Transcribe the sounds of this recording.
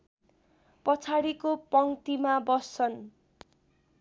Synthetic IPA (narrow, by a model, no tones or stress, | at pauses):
pʌt͡sʰaɽikopʌŋt̪imabʌsʌn